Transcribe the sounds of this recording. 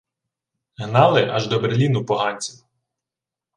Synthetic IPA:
ɦnɑlˠɪʔɑʒd̪ɔbeelʲinʊpɔɦɑnʲt͡sʲiw

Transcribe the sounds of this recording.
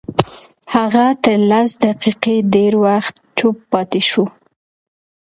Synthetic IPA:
haɣat̪əɾlasd̪aqiqedeɾwaxt̪t͡ʃupːɑt̪eʃu

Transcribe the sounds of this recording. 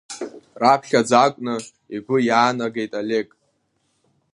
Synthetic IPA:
rapʰχʲad͡zakʷʼnɨ | iɡʷʊjaːnaɡejtʼale̞kʼ

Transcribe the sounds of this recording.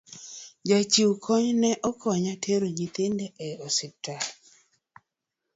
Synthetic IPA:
d͡ʒat͡ʃiwkʰɔɲnɛʔɔkɔɲatʰeɾod͡ʒit̪ɪndɛʔɛɔsɪtːa

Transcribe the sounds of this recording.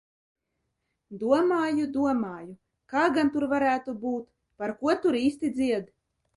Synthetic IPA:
d̪uɔmaːjud̪uɔmaːju | kaːɡant̪uɾvaɾæːt̪ubuːt̪ | paɾkuɔt̪uɾiːst̪id̪ziɛd̪

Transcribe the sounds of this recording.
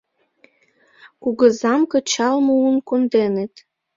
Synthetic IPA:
kuɣə̆zɑmkɤ̆t͡ɕɑlmounkond̪enet̪

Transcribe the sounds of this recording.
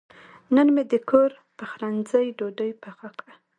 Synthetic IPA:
nənmed̪əkʰoɾ | pəxɾanzəjɖoɖəjpaxakɽa

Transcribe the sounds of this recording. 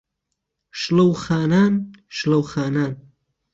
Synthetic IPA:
ʃlɐwxaːnaːn | ʃlɐwxaːnaːn

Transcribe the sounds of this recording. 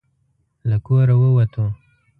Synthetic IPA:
lakoɾawəwat̪ʰo

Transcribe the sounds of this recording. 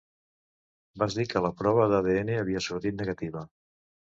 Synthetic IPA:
bazd̪ikələpɾɔβ̞əðaðeeneəβ̞iəsuɾt̪it̪̚nəɣət̪iβ̞ə

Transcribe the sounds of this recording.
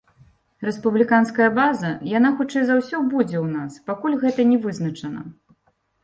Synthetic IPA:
ɾɛspublʲikanskɐjɐbazɐjanaxut͡ʂɛjzawsʲɔbud͡zʲɛwnaspakulʲɣɛt̪ɐnʲɛvɨznɐt͡ʂɐnɐ̰

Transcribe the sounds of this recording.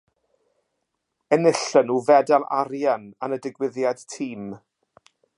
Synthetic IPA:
ənɪɬənuːvɛdalˠa̰ɾjananədɪɡwɪðjad̥tʰiːm

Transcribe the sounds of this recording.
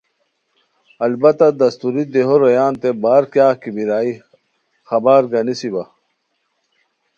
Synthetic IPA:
ɐlbɐt̪ad̪ɐst̪uɾid̪eɦoɾojaːnt̪ebaːɾkjaːkibiɾaːi | xɐbaːɾɡɐnisibɐ

